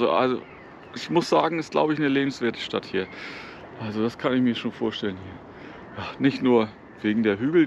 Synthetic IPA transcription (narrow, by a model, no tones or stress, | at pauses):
oʔa̰lzo̰ | ʔɪçmʊsz̥aːɡŋ̩ɪst̚ɡ̥la̰ʊbəɪçnəleːbm̩sv̥eːɐtʰə̥ʃta̰thiːɐ | ʔalzod̥askʰanɪçmiːɐʃoːnfoːɐʃtɛlənhiːɐ | jaːnɪçtnuːɐ | veːɡŋ̩deːɐɦyːɡl̩